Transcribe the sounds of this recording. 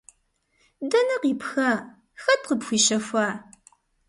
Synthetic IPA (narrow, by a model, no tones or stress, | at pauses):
dɐnɐqiːpxaː | xɐtqəpxʷiːʃɐfʷaː